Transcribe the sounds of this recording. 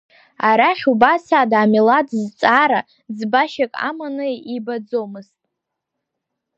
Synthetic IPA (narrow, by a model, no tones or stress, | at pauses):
aɾaχʲubasaːdaːmiladzt͡sʼaːɾa | d͡zbaʃakʼa̰manɨibad͡zomɨztʼ